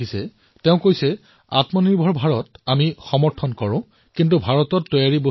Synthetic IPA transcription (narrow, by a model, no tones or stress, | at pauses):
isɛ | teʊ̃kojsɛ | a̰tmɔniɹbʱɔɹbʱaɹɔtamixɔmɔɹtʰɔnkɔɹʊ̃ | kintubʱaɹɔtɔtːɔjaɹibo